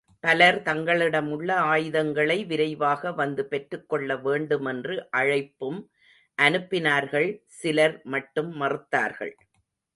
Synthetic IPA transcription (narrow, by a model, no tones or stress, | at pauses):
pɐlɐɾt̪ɐŋɡɐɭɪɽɐmʊɭːɐaːjɪðɐŋɡɐɭɐɪʋɪɾɐɪʋaːɣɐʋɐnd̪ɯpɛʈrɯkːɔɭːɐʋeːɳɖɯmɛndrɯʔɐɻɐɪpːɯm | ʔɐnɯpːɪnaːɾɣɐɭsɪlɐɾmɐʈːɯmːɐrɯt̪ːa̰ːɾɣɐ̰ɭ